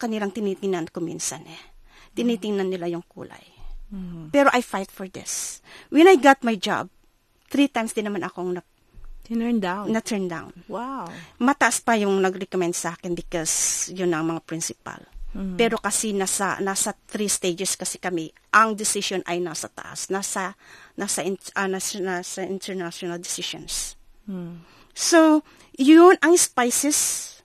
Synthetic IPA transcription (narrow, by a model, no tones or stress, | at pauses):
kɐnilɐŋt̪ɪnit̪ɪŋnankomḭːnsɐnʔɛ | t̪ɪnit̪ɪŋnɐnːɪlajʊŋkṵːla̰j | pɛːɾoʔajfajt̪̚fɔɹd̪ɪ̰swɛnajɡat̪̚majd͡ʒa̰b̚ | t̪ɾit̪ajmsd̪ɪnːɐmanʔɐko̞ŋnɐɡ̚ | d̪anɐt̪ʰɛɹnd̪a̰wnwawmɐt̪ɐʔaspɐjʊŋnɐɡɾɛkomɛnd̪sɐʔakɪnbɪkosjʊnɐŋmɐŋapɾɪnsɪpa̰lpɛɾo̞kɐsinasɐ̰nasɐt̪ɾist̪ejd͡ʒɛskɐsɛkɐmɛʔɐŋd̪ɪsɪʃonʔɐ̰jnasɐt̪ɐ̰ʔa̰snasɐnasɐʔɪnʔɐnanasɐʔɪ̃nt̪ʰɛɹnaʃonɐld̪ɪsɪʃo̰ns | so | jʊnɐŋspajsɛs